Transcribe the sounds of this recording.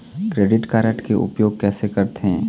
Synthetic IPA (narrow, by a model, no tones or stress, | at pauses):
kɾeːɖɪʈkaːɾəʈkeʔʊ̰pjoːɡ̚kɛːsekɐɾt̪eɦɛ̃ː